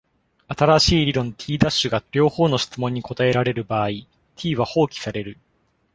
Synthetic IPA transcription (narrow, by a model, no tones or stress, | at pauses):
at̪aɾaɕiːɾʲiɾõ̞nt̪ʲʰiːd̪aɕɨɡaɾʲo̞ːho̞ːno̞ɕi̥t͡sɨmõ̞ɲ̟ːiko̞t̪ae̞ɾaɾe̞ɾɯ̟baːi | t̪ʲʰiːβaho̞ːkʲi̥saɾe̞ɾɯ̟